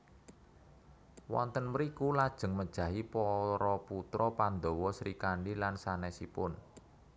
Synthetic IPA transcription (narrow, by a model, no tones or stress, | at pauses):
wɔ̰nt̪ənməɾikulad̥ʒ̥ə̤ŋməd̥ʒ̥ä̤ɦipɔɾɔput̪ɾɔpand̪owɔsɾikaɳɖilansanɛsipʊn